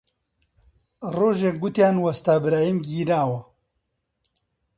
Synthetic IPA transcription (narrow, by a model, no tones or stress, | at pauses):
roːʒek̚ɡut̪jaːnwɐst̪aːbɾaːjimɡiːɾaːwɐ